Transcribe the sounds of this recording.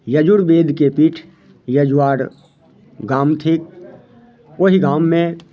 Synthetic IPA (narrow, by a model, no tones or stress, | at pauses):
jəd͡ʒʊɽbeːd̪kepiːʈʰ | jəd͡ʒʊwaːɾ | ɡaːmt̪ʰɪk̚ | oɦiɡaːmːẽ